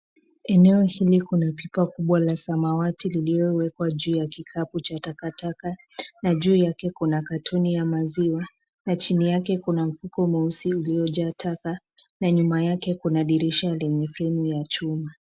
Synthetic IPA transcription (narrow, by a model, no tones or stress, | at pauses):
ɛnɛɔhilikunapipakuɓwalasamawatililiɔwɛkwaʄuːjakikʰaput͡ʃatakataka | naʄuːjakɛkunakatʰɔnijamaziwa | nat͡ʃinijakɛkunam̩fukɔmausiuliɔʄatʰaka | naɲumajakɛkunaɗiɾiʃalɛɲɛfɾɛnujat͡ʃuma